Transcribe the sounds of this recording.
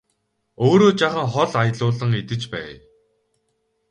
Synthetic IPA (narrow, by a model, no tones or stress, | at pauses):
oːɾoːt͡ɕaχə̆ŋχɔɮajɮʊːɮə̆ŋet̪ɘ̆t͡ɕpæ̰ː